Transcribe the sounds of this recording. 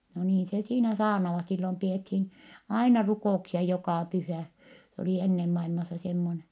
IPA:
no niːn se siːnæ sɑːrnɑʋɑt silːom piethin ɑinɑ rukoˑuksiɑ jokɑˑ pyhæˑ se oli enːem mɑilmɑsːɑ semːone

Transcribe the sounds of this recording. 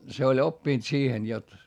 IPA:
se olʲ opːiˑnt siːhen jot

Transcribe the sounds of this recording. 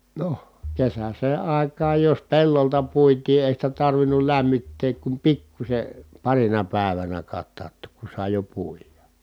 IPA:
no kesæseː ɑˑi̯kˑɑːj jos pelːoltɑ puitiː eˑi sitæ tɑrʋinul læmːitːeːk kum pikːusʲe pɑrinɑ pæˑeʋænæ kɑtːɑːtːoːk ku sɑˑi̯ jo puijɑ

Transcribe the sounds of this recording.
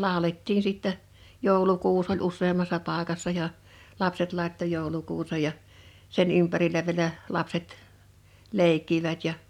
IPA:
lɑˑoletːin siˑtːɛ joˑulukuːs olʲ usˑeːmːɑsːɑ pɑˑekɑsːɑ jɑ lɑpset lɑˑetːo joˑulukuːsej jɑ sen ympærilæ ʋiĕlæ lɑpset leˑikːiʋæt jɑ

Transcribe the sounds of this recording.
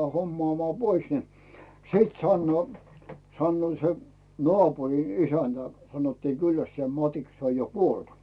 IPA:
homːŏɑˑmŏɑˑ pois ni siˑt sɑnːŭoː sɑnːŭoˑ se nŏɑˑpurin isæntæ sɑnotːiː kylːæstise̥ mɑtiks se oj jo kuolt

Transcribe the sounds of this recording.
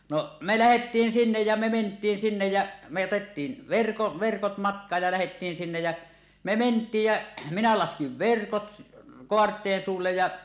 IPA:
no me læhetːiːn sinːej jæ me mentˑiːn sinːej jæ me otetːiːn ʋerko ʋerkot mɑtkˑɑːj jɑ læhetːiːn sinːej jæ me mentˑiːj jæ minæ lɑskiʋ ʋerkot koɑrtˑeːn suːlːej jɑ

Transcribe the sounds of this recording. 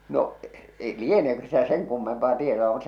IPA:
noʔ eĭ lieneːkø sitæ seŋ kumːempɑː tietoɑ mut

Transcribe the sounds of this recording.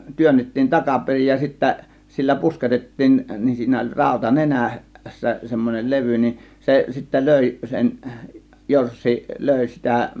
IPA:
tyønːetːiːn tɑkɑperij jɑ sitːæ silːæ pusketetːiːn nin siːnæ olʲ rɑˑo̝tɑ nenæˑ sːæ semːonel leʋy nin se sitːæ løˑi sen jorsːi løˑi sitæ

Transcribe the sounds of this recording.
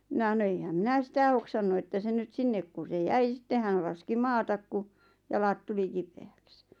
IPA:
minɑ h̆ɑ̆no eihæm minæ sitæ hoksɑnːu etːæ se nyt sinːek ku se jæi sitːe hæn lɑski mɑːtɑk ku jɑlɑt tuli kipeæks

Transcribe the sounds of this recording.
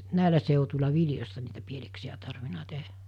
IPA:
næˑilæ seˑutulʲɑ ʋiljostɑ niːtæ pieleksij̆æ tɑrʋinɑ tehæ̥

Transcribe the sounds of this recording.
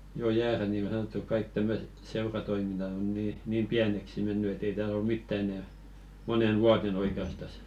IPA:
jo jæːræ niˑ niˑŋɡ̊o sɑnotːuk kɑik tæmːøset seurɑtoiminːɑt on niː niːm piæneksi menːy et ei tæːl ol mitːɑ enɛ monen ʋuɑten oikeɑstɑs

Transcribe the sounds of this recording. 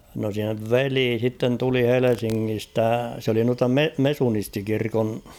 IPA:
no seʋ ʋeliː sitːen tuli helesiŋːistæ s oli nuɑtɑ me mesunistikirkon

